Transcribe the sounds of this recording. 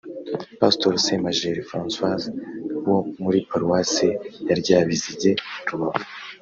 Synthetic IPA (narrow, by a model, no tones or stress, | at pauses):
pastoɾsemaʒeɾifɾãːnswazwomuɾipaɾuwasejaɾɟaːβiziɟeɾuβaβo